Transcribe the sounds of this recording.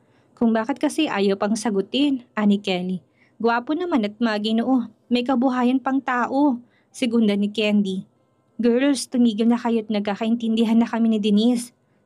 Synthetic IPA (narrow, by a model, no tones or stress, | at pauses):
kʊŋbaːkɪt̪̚kɐsɛʔa̰ːjɐwpɐŋsɐɡʊt̪ɪnʔanɪkɛli | ɡʊwaːponɐmanɐt̪̚mɐɡɪnoʔo | mɐjk̬ɐbʊɦaːjɐnpɐŋt̪aːʔo | sɛɡʊnd̪ɐnɪkɛnd̪i | ɡɛɹlst̪ʊmiːɡɪlnɐkɐjot̪̚nɐɡ̚kːakɐʔɪnt̪ɪnd̪ɪɦanːɐkɐminɪd̪ɪnɪs